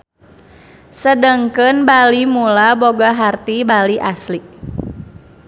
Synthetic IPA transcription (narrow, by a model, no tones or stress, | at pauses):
sədəŋkənbalimulaboɡaɦart̪ibaliʔasli